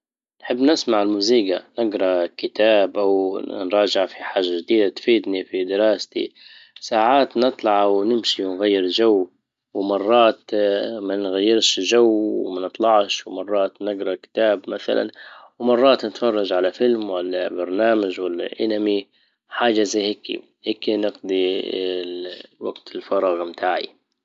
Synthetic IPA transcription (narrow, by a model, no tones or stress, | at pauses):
nħɪbːnɪsmaʕɪlmuːziːɡanɪɡɾˤɑkɪt̪aːbʔawnɾˤɑːd͡ʒɪʕfiħaːʒːaʒd̪iːd̪at̪fiːd̪nifid̪ɪɾɑːst̪ḭsaːʕaːt̪nɨt̪ˤlɑʕwnɪmʃiwɪnɣajːɪɾd͡ʒawː | wmɑrˤːɑːt̪manɣajːɪɾʃʒaww̰manɨt̪ˤlɑʕʃwmɑrˤːɑːt̪nɪɡɾˤɑkɪ̥t̪aːbmaθa̰lʔa̰nwmɑrˤːɑːt̪nɪt̪fɑrˤːɑd͡ʒʕalafɪlmwalːabɑɾˤnaːmaʒwalːa̰ʔɪnami | ħaːʒazaheːkːḭ | heːkːinɪɡd̪ˤi | waɡt̪ɪlfɑɾˤɑːɣmt̪ʰaːʕḭ